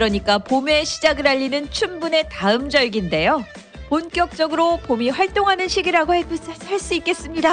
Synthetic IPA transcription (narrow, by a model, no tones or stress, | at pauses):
kɯɾʌɲik͈apome̞ɕʰid͡ʑaɡɯɾaʎːinɯnt͡ɕʰumbune̞taɯmd͡ʑʌjɡinde̞jo | ponk͈jʌk̚t͡ɕ͈ʌɡɯɾopomiɸwaɭt͈oŋɦanɯnɕʰiɡiɾaɡohepɯs͈ʰasʰaɭs͈uik͈e̞s͈ɯmɲida